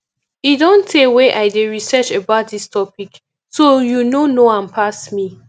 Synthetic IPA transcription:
idõntʰeweʔaɪdeɹisɛt͡ʃebaʊt̚distʰɔpik | sojunonoãnpʰasmi

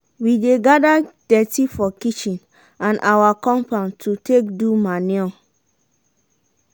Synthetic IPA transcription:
wideɡadad̥ɛtifɔkit͡ʃĩn | ãnʔawakɔ̃mpãntʰutʰekdumaniɔ̃

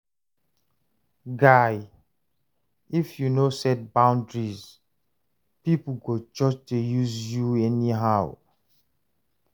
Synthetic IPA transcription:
ɡaj | ifjunosɛt̚bãʊ̃ndɹiz | piplɡod͡ʒɔd͡ʒtejuzjuɛniɦaʊ

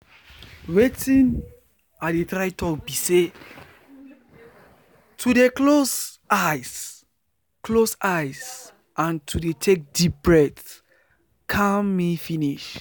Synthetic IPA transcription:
wetĩn | adetɹaɪtɔbise | tʰudeklos | as | klosajz | ãntʰudetʰek̚dip̚bɹɛd | kʰãmmːifiniʃ

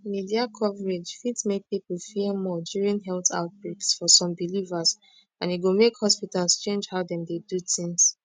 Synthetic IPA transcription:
midiakʰɔvɹed͡ʒfidsmek̚pipul̩fiəmɔdjuɹĩnɦɛlta̰ʊt̚b̥ɹuksfɔsɔ̃mbilivaz | ãniɡomekhɔspitalst͡ʃẽnd͡ʒhaʊdɛ̃mdedutʰĩŋs

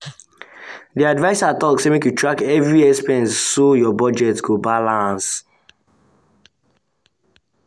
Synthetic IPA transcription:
diadvaɪsatɔksemĩkjutʰɹakɛvɹiɛspɛ̃ntsojɔbɔd͡ʒɛtɡobalãns

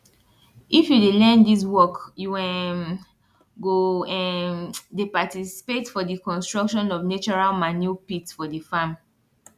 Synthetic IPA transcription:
ʔifjudelɛ̃ndiswɔkjuwɛ̃ | ɡoɛdepatisi̥petfɔdikɔ̃nstɹɔkʃɔ̃nɔvnet͡ʃɔɹalmanjupitfɔdifam

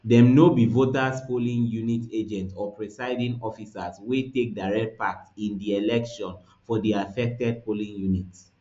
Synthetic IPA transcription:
dɛ̃mnobivotaspolĩŋjunited͡ʒɛ̃ntɔpɹɛsaɪdĩŋɔfisaswetek̚daɹɛk̚t̚pak̚tĩndielɛkʃɔ̃n | fɔdiafɛk̚tɛd̚polĩŋjunit

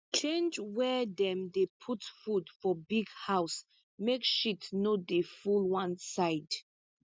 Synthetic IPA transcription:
t͡ʃẽnd͡ʒwɛdɛ̃mdepʰutfudfɔbiɡhaʊs | mekʃitnodefulwãnsaɪd

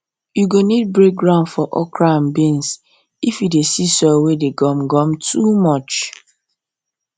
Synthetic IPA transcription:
juɡonid̚bɹek̚ɡɹãʊ̃ndfɔʔɔ̰kɹambẽns | ifjidesisɔwedeɡɔmɡɔ̃mtʰumɔt͡ʃ

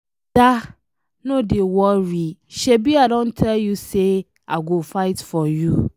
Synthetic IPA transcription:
d̥a | nodewɔɹiʃebiadɔ̃ntʰɛljuse | aɡofaɪtfɔju

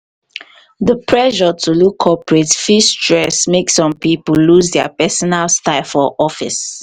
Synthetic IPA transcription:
ðəpʰɹɛʒɔtʰulukʰːɔpɹetfistɹɛsmeksɔ̃mpipulluzdɛə̰pɛsɔnalstaɪfɔʔɔfḭs

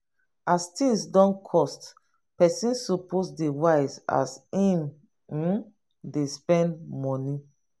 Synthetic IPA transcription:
astĩŋsdɔ̃nkʰɔst | pɛsĩnsɔposdewaɪsa̰sĩm̩ | despɛ̃ndmɔ̃ni

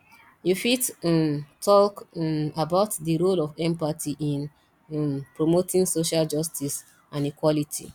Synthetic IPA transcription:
jufitmtʰɔkabaʊtdiɹolɔvɛ̃mpatʰiʔĩn | pɹomotĩŋsoʃald͡ʒʌstʰis | ãnikwɔlitʰḭ

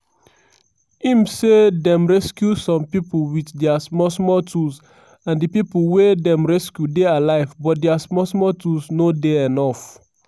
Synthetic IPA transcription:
ĩmsedɛ̃mɹɛskjusɔ̃mpipolwitdɛasmɔsmɔtʰus | ãndipiplwedɛ̃mɹɛskjudealaɪvbɔt̚dɛasmɔsmɔtusnodeɛnɔf

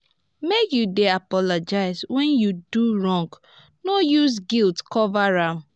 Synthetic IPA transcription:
mekjudeapɔlɔd͡ʒaɪzwɛ̃njuduɹɔ̃ŋɡ | nojuzɡiltkɔvaɹam

